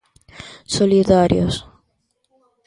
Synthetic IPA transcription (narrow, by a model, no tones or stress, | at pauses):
soliðaɾjo̰s